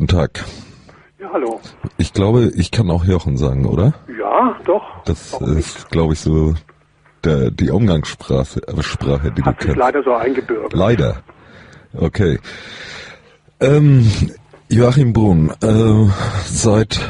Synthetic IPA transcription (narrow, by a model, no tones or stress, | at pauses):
tn̩tʰaːk | jaːhaloʔɪçɡ̥laʊbəʔɪçkʰanaʊxjɔχn̩za̰ːɡŋ̩ʔo̰ːɾɐjaːd̥ɔχd̥asɪ̰stɡ̥laʊbəɪçz̥oː | d̥eːd̥iːʔʊmɡaŋspʁaːəʃpʁ̥aːχədiːdṵːkʰɛnlaaɪdɐzoːʔaɪnɡəbʏɐɡlaɪdɐ̰ | ʔokʰeː | ʔɛːm | joʔaχimbʁuːnʔɛː | zaɪt